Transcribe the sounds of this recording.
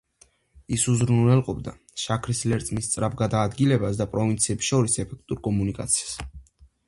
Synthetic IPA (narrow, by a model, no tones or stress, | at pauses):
isuzɾununɛlqʼɔbd̪a̰ | ʃakʰɾislɛɾt̪sʼmist̪sʼɾabɡad̪aːd̪ɡilɛbasd̪apʼɾɔvint̪sʰiɛpsʃɔɾisɛpʰɛk̚ʰt̪ʼuɾkʼɔmunikʼa̰t̪sʰi̥ḁs